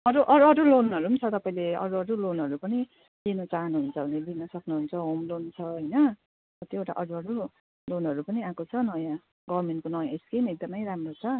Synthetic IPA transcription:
ʌɾuʔʌɾuʌɾulonʌɾuɦunt͡sʰʌt̪ʌpaĩleʌ̰ɾuʌɾulonɦʌɾupʌni | linʌt͡saɦʌnuɦunt͡sʰʌned̪inʌsʌknuɦunt͡sʰʌɦomlont͡sʰʌɦʌjnʌ | ʌt̪joeʈa̰ʔʌɾuʌɾu | lonɦʌɾupʌniãkot͡sʰʌnʌjã | ɡʌβrmenʈkonʌjãeskemek̚d̪ʌmʌjɾamrot͡sʰʌ

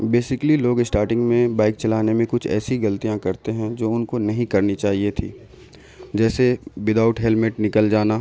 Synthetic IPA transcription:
beːsɪkliloːɡɪsʈaːɾʈɪ̃ŋɡmẽbaːɪk̚t͡ʃɐlaːnemẽkʊt͡ʃʰɛ̰ːsiɡɐlt̪ijãkɐɾt̪eɦɛ̃d͡ʒoːʊnkonɐɦĩkɐɾnit͡ʃaːɦiet̪ʰḭː | d͡ʒɛːsewɪd̪aːʊʈɦɛlmeʈnɪkəld͡ʒaːna

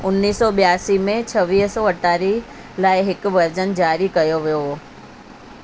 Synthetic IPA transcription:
ʊnːiːsːɔɓijaːsimẽt͡ɕʰɐʋiːɦsɔːɐʈaːɾi | laːɪɦɪkʊ̆ʋɐɾd͡ʑənd͡ʑaːɾikɐjoʋijoɦoː

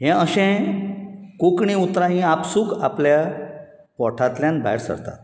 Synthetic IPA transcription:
ɦɛ̃əɕɛ̃ | kukɳĩut̪ɾaɦĩapsuːkaplja | kɔʈʰat̪ljanba̰ɾsə̰ɾt̪a̰t̪

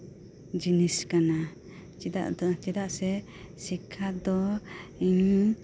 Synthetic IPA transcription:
d͡ʒiniskana | t͡ʃid̪a̰ʔd̪t͡ʃɛd̪aʔsɛ | sikʰad̪ɔiɲ

